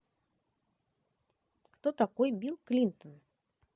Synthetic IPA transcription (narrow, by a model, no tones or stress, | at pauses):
kt̪ɔt̪akɔjbʲilˠklʲint̪ən